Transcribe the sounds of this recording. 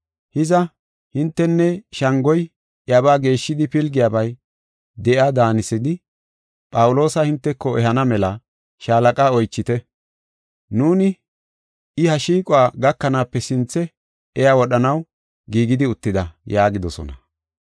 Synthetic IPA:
hɪzɐ | hɪnt̪ːɛnːɛʃɐŋɡɔj | ʔjɐbaːɡe̞ːʃːɪd̪ɪpɪlɡɪjaːbɐj | d̪ɛʔad̪aːnɪsɪd̪ɪ | pʼɐwʊlo̞ːsɐhɪnt̪ːɛkːɔɛɦɐnɐmɛlɐ | ʃaːlɐkʼaːɔjt͡ʃːɪt̪ɛ | nuːnɪ | ɪhɐʃiːkʼʊaːɡɐkːɐnaːpːɛsɪnt͡sːɛ | ɛjaːwɔɗɐnɐw | ɡiːɡɪd̪ɪʊt̪ːɪd̪ɐjaːɡɪd̪ɔsɔ̰nɐ̰

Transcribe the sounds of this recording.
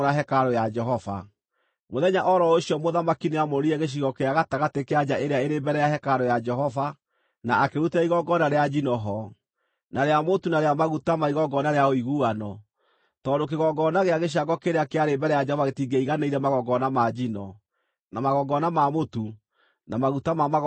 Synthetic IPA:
ɾaɦɛkaɾɔjad͡ʒɛɦɔfa̰ | moðɛɲaʔɔɾɔoɕiɔmoðamakineamoɾiɛɣeɕ̬iɣɔkeaɣataɣatekead͡ʒaʔeɾeaeɾembɛɾɛjaɦɛkaɾɔjad͡ʒɛɦɔva | naakeɾutaiɣɔɡɔnaɾead͡ʒinɔɦɔ | naɾeamotunaɾeamaɣutamaiɣɔɡɔnaɾeaoiɣuanɔ | tɔːndok̬eɣɔɡɔnaɣeaɣeɕ̬aɡɔkeɾeakeaɾembɛɾɛjad͡ʒɛhɔvaɣetiɡeiɣaneiɾɛmaɣɔɡɔnamad͡ʒinɔ | namaɣɔɡɔnamamotu | namaɣutamama

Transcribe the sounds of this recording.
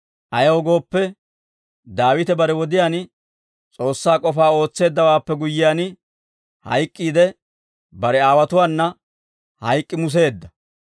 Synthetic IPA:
ʔɐjɐwɔɡo̞ːpːɛ | d̪aːwɪt̪ɛbɐɾɛwɔd̪ɪjaːn | t͡sʼo̞ːsːaːkʼɔfaːo̞ːt͡sːe̞ːd̪ːɐwaːpːɛɡʊjːɪjaːnɪ | hɐ̰jkʼːiːd̪ɛ | bɐɾɛaːwɐt̪ʊwaːnːɐ | hɐjkʼːɪmʊs̬e̞ːd̪ːɐ

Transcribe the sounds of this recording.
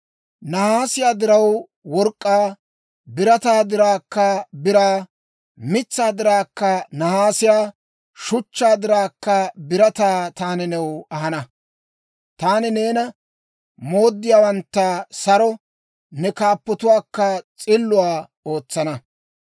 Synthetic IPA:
nɐhaːsɪjaːd̪ɪɾɐw | wɔɾkʼːaː | bɪɾɐt̪aːd̪ɪɾaːkːɐbɪɾaː | mɪt͡sːaːd̪ɪɾaːkːɐnɐhaːsɪjaː | ʃʊt͡ʃːaːd̪ɪɾaːkːɐbɪɾɐt̪aːt̪aːnɪnɛwɐhɐnɐ | t̪aːnɪne̞ːnɐ | mo̞ːd̪ːɪjaːwɐnt̪ːɐsɐɾɔ | nɛkaːpːɔt̪ʊwaːkːɐt͡sʼɪlːʊwaː | o̞ːt͡sːɐnɐ

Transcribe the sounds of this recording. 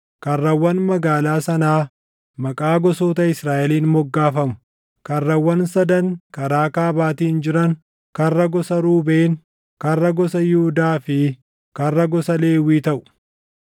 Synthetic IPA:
kɐrːɐwːɐnmɐɡaːlaːsɐnaː | mɐkʼaːɡɔsoːt̪ɐɪsɾaːʔɛliːnmɔɡːaːfɐmʊ̥ | kɐrːɐwːɐnsɐd̪ɐŋkɐɾaːkaːbaːt̪iːnd͡ʒɪɾɐŋ | kɐrːɐɡɔsɐɾuːbeːn | kɐrːɐɡɔsɐjɪhʊd̪aːfɪ | kɐrːɐɡɔsɐle̞ːwiːt̪ɐʔʊ̥

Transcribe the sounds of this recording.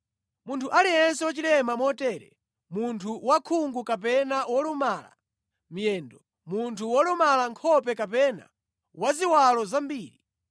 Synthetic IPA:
muntʰuʔaliɛns̬ɛwɔt͡ʃilɛmamɔtɛːɾɛ̰ | muntʰuwakʰuŋɡukapɛnawɔlumaːla̰ | m̩jɛːndɔ | muntʰuwɔlumalaŋkʰɔpɛkapɛna̰ | waziwalɔzambiːɾi

